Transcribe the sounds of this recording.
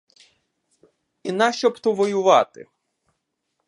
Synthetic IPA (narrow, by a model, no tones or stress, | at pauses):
inɑʃt͡ʃɔpt̪ɔʋɔjʊʋɑt̪ɪ̰